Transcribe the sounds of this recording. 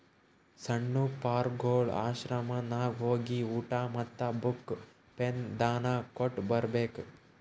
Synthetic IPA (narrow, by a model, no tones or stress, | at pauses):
sɐɳːupaːɾɡoːɭa̰ːʃɾɐmɐnaːʋɦoːɡiuːʈaːmɐt̪ːɐbuk | pend̪aːnaːkoʈːbɐɾbeːk